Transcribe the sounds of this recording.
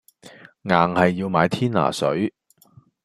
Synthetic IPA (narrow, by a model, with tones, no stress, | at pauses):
ŋaː˨˩ŋhɐ˨jːiː˧wmaː˨˧jt̪ʰiː˥nla̰ː˨˩sɵ̰˨˥ɥ